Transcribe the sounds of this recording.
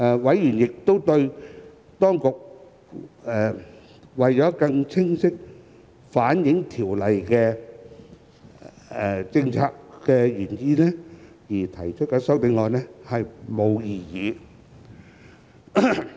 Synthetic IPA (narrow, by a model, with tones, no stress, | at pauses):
ɛː˨˧wɐ˨˧˥jjyː˨˩njɪ˨k̚t̪o˥wt̪ɵ˧ɥ | t̪ɔː˥ŋkʊ˨k̚ | ɛː˨˩ | wɐ˨jt͡ʃɔː˨˥kɐ˧ŋt͡sʰɪ˥ŋsɪ˥k̚ | faː˨˥njɪ˨˥ŋt̪ʰiː˨˩wlɐ˨jkɛː˧ | ɛ˧t͡sɪ˧ŋt͡sʰaː˧kkɛː˧jyː˨˩njiː˧nɛː˥ | jiː˨˩t̪ʰɐ˨˩jt͡ʃʰɵ˥t̚kɐ˧sɐ˥wt̪ɪ˨˧˥ŋlɔː˨˩nɛː˥hɐ˨jmo˨˧wjiː˨jiː˨˧